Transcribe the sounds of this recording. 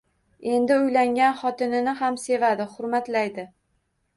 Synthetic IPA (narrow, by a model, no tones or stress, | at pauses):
e̞nd̪ɪʊjlaŋʲanχɒt̪ɪnɪnɪɦamse̞vad̪ɪχʊɾmat̪lajd̪ɪ